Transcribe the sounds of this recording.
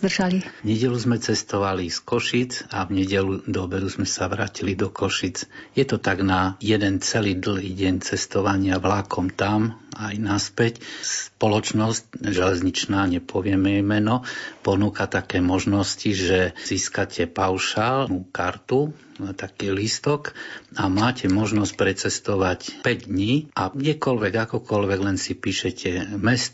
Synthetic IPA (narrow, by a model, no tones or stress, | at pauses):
d̪rʒalivɲɛɟɛluzmɛt͡sɛst̪ɔʋaliskɔʃid͡zavɲɛɟɛlud̪ɔbɛd̪uzmɛsaʋɾaːcilid̪ɔkɔʃit͡sjɛt̪ɔt̪aɡnajɛd̪ɛnt͡sɛliːd̪l̩ɦiɟɛɲt͡sɛst̪ɔʋaɲɪaʋlakʰɔmt̪amajnaspɛcspɔlɔt͡ʃnɔsc̚ʒɛlɛzɲit͡ʃnaːɲɛpʰɔʋɪɛmɛjmɛnɔpɔnuːkat̪akɛːmɔʒnɔsciʒɛziːskacʰɛpaʊʃalnuːkaɾt̪u | t̪akiːlist̪ɔkamaːcʰɛmɔʒnɔsc̚pɾɛt͡sɛst̪ɔʋacpɛɟd̪ɲiːʔaɡɟɛkɔlʋɛɡakɔkɔlʋɛɡlɛnsipiːʃɛcʰɛmɛst̪